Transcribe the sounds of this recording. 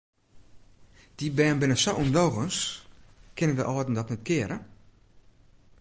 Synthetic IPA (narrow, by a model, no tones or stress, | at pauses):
d̥ibɛːnbɪnəsɔʔumdɔɣəns | kɪnəndəʔɑːdn̩dɔtnɛtkɪːɾə